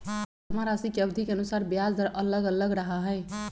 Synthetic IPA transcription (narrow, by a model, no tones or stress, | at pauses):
əmaɾasikeəbd̪ʱikeənusaɾbjad͡zd̪ʱəɾʔələɡələɡɾəɦaɦɛɪ